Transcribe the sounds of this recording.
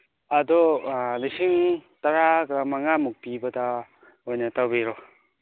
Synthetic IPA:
ɐdɔlisiŋtɐɾaɡɐmaŋamuk̚pibɐdɐ | ojnɐtawbeɾo

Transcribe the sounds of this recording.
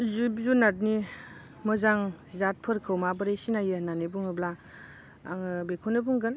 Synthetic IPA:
zubzunat̚ni | mɯzaŋzat̚pʰɯɾkʰɯwmabəɾejsinajɯnanebuŋɯbla̰ː | ŋɯbekʰonɯbuŋɡɯn

